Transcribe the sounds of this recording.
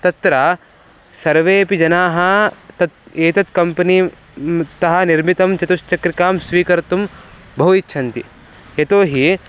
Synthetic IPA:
t̪ɐt̪ɾɐ | sɐɾʋeːpid͡ʒɐnaːɦɐt̪ɐt̪eːt̪ɐt̪kɐmpɐniː | t̪ɐɦɐniɾmit̪ɐmt͡ʃɐt̪uʃt͡ʃɐkɾikaːmsʋiːkɐɾt̪um | bʱɐɦuitːʃʰɐnt̪ḭ | et̪oːɦi

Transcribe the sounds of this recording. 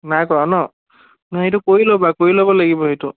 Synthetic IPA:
najkɔɹanɔ | nɦejtukoɹilobakoɹilobɔlaɡibɔɦejtu

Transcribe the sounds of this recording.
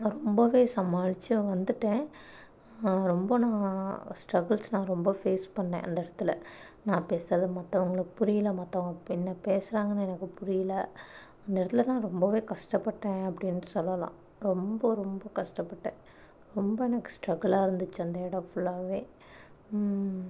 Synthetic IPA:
ɾɔmbɐʋeːsɐmaːɻɪt͡ʃːɯʋɐnd̪ɯʈːẽː | ɾɔmbɐnãːsʈɾɐɡɐɭsnãːɾɔmbɐfeːspɐɳːḛ̃ːʔɐ̰nd̪ɐɛɽɐt̪ːɪlɐ | nãːpeːsaːðɯmɐt̪ːɐʋɐŋɡɐɭɯpʊɾɪjɪlɐmɐt̪ːɐʋɐŋɡɐɪnːɐpeːsɾaːŋɡɐnɛnɐkːɯpʊɾɪjɪlɐ | ɐnd̪ɐɛɽɐt̪ːɪlɐnãːɾɔmbɐʋeːkɐʂʈɐpːɐʈːẽːɐpːɐɽɪnːɯsɔlːɐlã̰ː | ɾɔmbɐɾɔmbɐkɐʂʈɐpːɐʈːḛ̃ː | ɾɔmbɐɛnɐkːɯ̥sʈɾɐɡɐɭaːɪɾɯnd̪ɯt͡ʃːɐnd̪ɐɛɽɐfʊɭːaːʋeː

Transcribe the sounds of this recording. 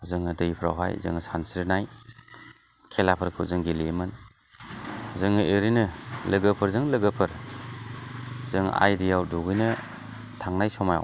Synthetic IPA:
zɯŋɯdɯjpʰɾa̰wɦa̰jzɯ̰ŋsansiɾnaj | kʰelapʰɯɾkʰɯzɯŋɡilemɯn | zɯŋɯʔeɾinɯlɯɡəpʰɯɾzɯŋlɯɡɯpʰɯɾ | zɯŋa̰jɾijawduɡɯjnɯ | tʰaŋnajsɔmaja̰w

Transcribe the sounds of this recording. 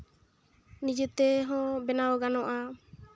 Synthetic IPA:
nid͡ʒut̪ɛɦɔ̃bɛnawɔɡanɔʔa

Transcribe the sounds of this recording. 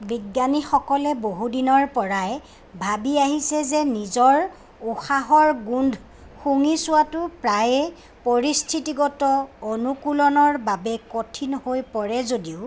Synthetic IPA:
biɡːanixɔkɔlɛboɦudinɔɹpɔɹajɛ | bʱabiaɦisɛzɛnizɔɹ | uxaɦɔɹɡundʱ | xuŋisʊwatʊpɹaj | poɹistʰitiɡɔtɔonukulɔnɔɹbabɛkotʰinhojpɔɹɛzodiʊ

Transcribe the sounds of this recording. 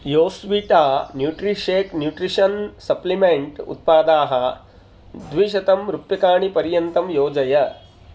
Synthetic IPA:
joːsʋiʈaːnjuʈɾiʂeːknjuːʈɾiʂɐnsɐplimeɳʈṵt̪̚paːd̪aːɦɐ̆ | d̪ʋiʃɐt̪ɐmɾupjɐkaːɳipɐɾjɐnt̪ɐmjoːd͡ʒɐjɐ

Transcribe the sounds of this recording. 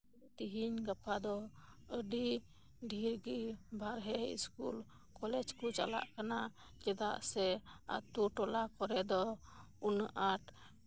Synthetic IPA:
t̪iɦiɲɡapʰad̪ɔəɖi | ɖʱiɾɡibʱaɾɦɛḭskṵl | kɔlɛd͡ʒkut͡ʃa̰la̰ʔkana | d͡ʒɛd̪aʔsɛa̰t̪uʈɔlakɔɾɛd̪ɔunʔaʈ

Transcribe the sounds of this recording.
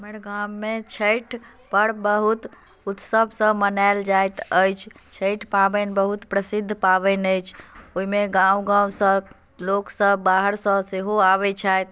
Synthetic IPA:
məɾɡamːet͡ʃʰəʈʰ | pəɽbəɦut̪ | ut̪səbʱsə̃mənaɪld͡ʒajt̪əjt͡ʃʰt͡ʃʰəjʈʰpabənbəɦut̪pɾəsid̪ʱːpaβənəjt͡ʃʰoɦimeɡãwɡãusə | loksəbbaɦəɾsə̃seɦoaβɛt͡ʃʰajt̪

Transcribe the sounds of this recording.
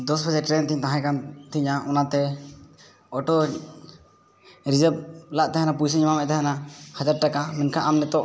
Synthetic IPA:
d̪ɔsbʰəd͡ʒaʈɾɛnt̪iɲt̪ãɦãkant̪ʰiɲaʔɔnat̪ɛ | ɔʈɔ | ɾid͡ʒəb̚laʔt̪aɦɛnapujsiɲmamɛʔt̪aɦanahad͡ʒaɾʈakamɛnkʰaʔamnɛt̪ɔʔ

